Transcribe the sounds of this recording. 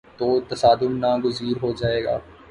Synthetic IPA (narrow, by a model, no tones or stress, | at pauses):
t̪oːt̪ɐsaːd̪ʊnːãːɡʊziːɾɦod͡ʒaːeːɡa̰ː